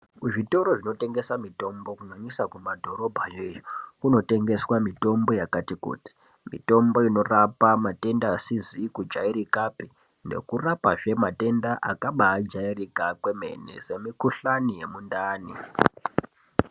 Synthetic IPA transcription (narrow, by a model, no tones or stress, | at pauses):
kuʐito̞ɾoʐino̞te̞ŋɡe̞samito̞mbo̞kunwaɲisakumadʱo̞ɾo̞bʱajeːjokuno̞te̞ŋɡe̞swamito̞mbo̞jakatikṵːti̥ | mḭto̞mbo̞ino̞rapamate̞ndaːsizikud͡ʒaiɾikapi | nde̞̰kurapaʐe̞mate̞ndaʔa̰kaɓaːd͡ʒairikakwe̞me̞̰ne̞̰se̞mikuɬanije̞mundaːnḭ